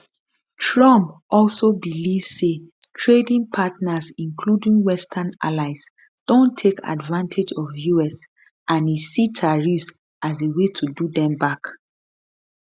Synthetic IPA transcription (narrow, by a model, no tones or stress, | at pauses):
tɹɔ̃mpɔlsobilivsːetʰɹedĩŋpʰatnəsĩŋkʰludĩŋwɛstʰanalaɪs | d̥õntʰːekʰa̰dvãntʰed͡ʒɔvjuɛs | ãnisitʰaɹis | ʔazewetʰududɛ̃mbak